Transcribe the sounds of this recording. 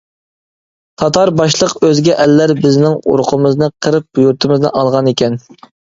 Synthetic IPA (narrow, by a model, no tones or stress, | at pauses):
t̪ʰɑt̪ʰɑɾbɑʃlˠəqøzɡʲɛʔɛlːæɾbɪznɪŋṵɾqʰəmɨznɨqʰəɾɨp̚juɾt̪ʰɨmɨznɨ̰ʔɑlˠʁɑnekʲɛn